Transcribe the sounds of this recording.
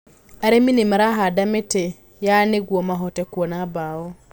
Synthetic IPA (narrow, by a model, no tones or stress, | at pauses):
aɾeminimaɾaɦadamete | janeɡwɔmaɦɔtɛkwɔnabaɔ